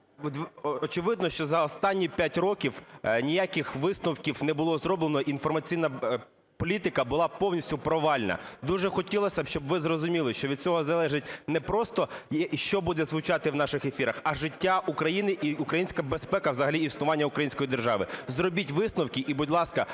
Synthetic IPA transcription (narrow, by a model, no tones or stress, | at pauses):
d̪ʲʋɔt͡ʃɪʋɪd̪̚nɔʃt͡ʃɔzɐɔst̪ɑnʲːipʲjatʲrɔkʲiwnʲijakʲɪxʋɪsnʊwkʲiwnɛbʊlˠɔzɾɔblenɔʔinfɔrmɐt͡sʲijnɐ | pɔlʲit̪ɪkɐbʊlˠɑpɔwnʲisʲtʲʊpɾɔʋɑlʲnɐ̰d̪uʒɛxɔtʲilˠɔsʲɐʃt͡ʃɔbʋɪzrɔzʊmʲilˠɪʃt͡ʃɔʋʲid̪̚t͡sʲɔɦɔzɐlˠɛʒɪt̚ʲnɛpɾɔst̪ɔʃt͡ʃɔbud̪ɛzʋʊt͡ʃɑt̪ɪwnɑʃɪxefʲiɾɐxɐʒɪtʲːaʔukɾɐjinɪʔiukɾɐjinʲsʲkɐbespɛkɐwzɐɦɐlʲiisnʊʋɑnʲːɐʊkɾɐjinsʲkɔjid̪erʒɑʋɪzrɔbʲitʲʋɪsnʊwkʲiʔibudʲlˠɑskɐ